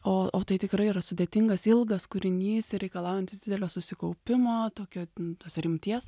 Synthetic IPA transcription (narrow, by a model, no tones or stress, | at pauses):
oːʔoːt̪ɐɪt̪ʲɪkrɐɪirɐsʊd̪ʲeːt̪ʲɪŋɡɐsɪlˠɡɐskʊɾʲɪnʲiːsɾʲɛɪkɐlˠɑːʊjɛnʲt̪ʲɪsd̪ʲɪd̪ʲɛlʲoːsʊsʲɪkɐʊpʲɪmoːt̪oːkʲoːʊt̪oːsɾʲɪmʲt̪ʲiɛs